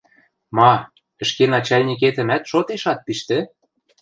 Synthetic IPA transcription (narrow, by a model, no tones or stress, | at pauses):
mɑ | ə̆ʃkenɑt͡ɕɑlʲnʲik̬et̪ə̆mæt̪ʃot̪eʃɑt̪̚piʃt̪ĕ